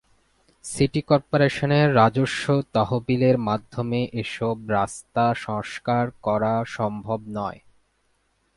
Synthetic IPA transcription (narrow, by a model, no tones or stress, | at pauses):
siʈikɔɾpoɾeʃoneɾːad͡ʑoʃːot̪ɔɦobileɾmad̪ʱːomeʔeʃobɾast̪aʃɔŋʃkaɾkɔɾaʃɔmbʱobnɔe